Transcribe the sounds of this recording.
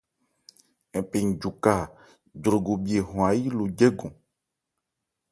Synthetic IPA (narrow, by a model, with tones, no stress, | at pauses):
ɛ˨pe˨ŋ̩˨d͡ʒu˨ka˦˨ | dɾo˨ɡo˨bi˨e˨ɦɔ̃˨a˨ji˦lo˨d͡ʒɛ˦ɡɔ̃˨